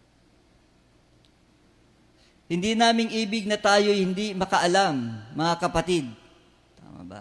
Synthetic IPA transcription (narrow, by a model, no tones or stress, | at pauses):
hɪnd̪inaːmɪŋʔiːbɪɡ̚nɐt̪aːjojhɪnd̪imɐkɐʔɐlamːɐŋakɐpɐt̪id̪̚ | t̪a̰ːma̰bɐ̰